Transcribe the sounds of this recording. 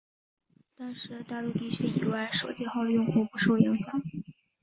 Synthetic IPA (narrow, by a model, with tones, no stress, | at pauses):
t̪a˥˧nʂɻ̩˥˧t̪a˥˧lu˥˧t̪i˥˧ɕy˥ḭ˨˩wa˥˩ɪʂo˨˩ʊt͡ɕjɛ˥˧xɑ˥˧ʊd̪ə˩jʊ˥˧ŋxu˥˩pu˧˥ʂo˥˩ʊi˧˥ŋɕjɑ˨˩˦ŋ